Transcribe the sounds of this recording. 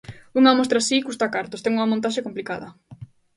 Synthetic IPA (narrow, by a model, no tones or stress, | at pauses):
uŋamost̪ɾasikust̪akaɾt̪ost̪ɛŋuŋɐmõnt̪aʃekomplikaðɐ